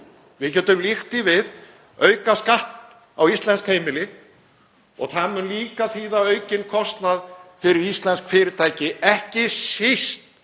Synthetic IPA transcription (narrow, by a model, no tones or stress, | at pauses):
vɪðcɛːt̪ʏmlixt̪ɪvɪð | œːɥkaskaht̪ | a̰wist̪lɛnskhejmɪlɪ | ɔ̰ɣθamʏnliːkaθiːðaœːɥcɪnkʰɔst̪naðfɪɾɪɾist̪lɛnskfɪɾɪɾ̥t̪ʰaːjcɪʔɛhcɪsɪst̪